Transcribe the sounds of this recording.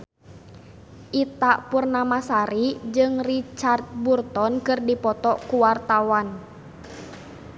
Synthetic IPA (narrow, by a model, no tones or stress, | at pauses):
ʔit̪aʔpurnamasaɾid͡ʒɨŋrit͡ʃart̪̚burt̪ɔnkɨrdipɔt̪ɔʔkuwart̪awan